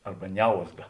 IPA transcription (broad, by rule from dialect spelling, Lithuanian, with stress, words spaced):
ˈɐrbɐ ˈnʲɛʊzɡɐ